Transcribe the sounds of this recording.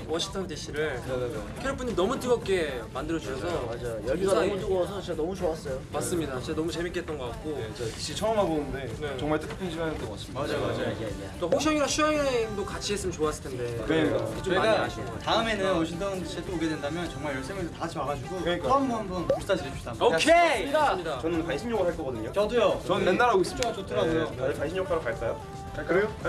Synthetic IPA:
wʌɕʰiŋtʰʌntiɕʰiɾɯɭnkʰeɾʌp͈uniinʌmutiɡʌp̚k͈e̞mandɯɾʌd͡ʑuɕʰʌsʰʌmad͡ʑajojʌɭɡiɡaaoduɡsʰʌt͡ɕeɡanʌmut͡ɕoas͈ʌjomas͈ɯmɲidat͡ɕeanʌmut͡ɕe̞mik͈ʰe̞t̚t͈ʌnɡʌk͈ak̚k͈otʰi̥ɕʰit͡ɕʰʌʌmɦabonɯnde̞ne̞t͡ɕʌŋmaɭt͈ɯkʰɯ̥pʰɯnɕʰiɡanɯtemʌs͈iad͡ʑajomad͡ʑajoek͈oɸok̚ɕ͈ʌŋiɾʌɕʰuaŋendokat͡ɕʰiɦes͈ɯmnt͡ɕoas͈ɯ̥ɭtʰende̞kat͡ɕoaitaɯme̞nɯnʌɕʰintʌnɕʰet͈ooɡe̞dwendamjʌnt͡ɕʌŋmaɭjʌɭs͈eŋesʰʌtaɕiaɡad͡ʑuɡoɯɲik͈aanbʌnbʌnpuɭs͈ad͡ʑiɾet͡ɕʰuamokʰemɲdaɲidat͡ɕʌnɯnkwanɕʰimɲoɡɯɾɦaɭk͈ʌɡʌdɯɲot͡ɕʌdɯjot͡ɕʌnɯnːe̞nːaɾais͈ʰɯ̥t͡ɕ͈oŋat͡ɕʰotʰɯɾadɯot͡ɕadɯɭkwanɕʰimjʌkʰaɾokaɭk͈ajo | kɯɾejo

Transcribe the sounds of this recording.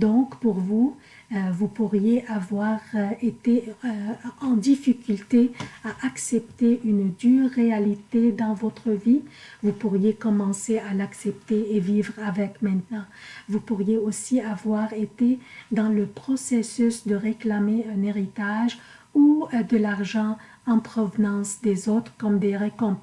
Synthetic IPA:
d̪ɔ̃kpuʁvu | vupuʁjeʔavwaʁet̪e | ɑ̃d̪ifikʲylt̪eaʔaksɛp̚t̪eʔynd̪yʁːealit̪ed̪ɑ̃vɔt̪χəvivupuʁjekɔmɑ̃sealaksɛp̚t̪eːvivʁavɛkmɛ̃t̪nɑ̃vupuʁjeosiavwaʁet̪ed̪ɑ̃ləpχɔsesysd̪əʁeklameɛ̃neʁit̪aʒ | ud̪əlaʁʒɑ̃ | ɑ̃pχɔvnɑ̃sd̪ezot̪χkɔmd̪eʁekɔ̃p

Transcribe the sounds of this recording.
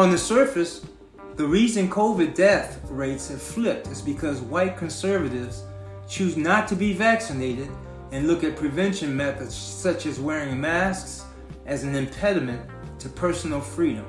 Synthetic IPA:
ə̃nðɨsɜ˞fɨs | ðɨɹizɨ̃nkʰoʊvɨdɛθɹeɪtshɨv̥flɪk̚tʰɨzbɨkʰʌzwaɪt̚kʰɨ̃nsɜ˞vɨɾɪvz̥ | t͡ʃʰʉznətʰɨbivæksɨneɪɾɪɾ | ɨ̃nlʊkɨt̚pʰɹ̥ɨvɛ̃nʃɨ̃nmɛθɨdz̥sʌt͡ʃɨzwɛɹɪ̃ŋmæsks | ʔɨzɨ̃n̩ɨ̃mpʰɛɾɨmɨ̃n | tʰɨpʰɜ˞sn̩l̩ˠfɹiɾɨ̃m

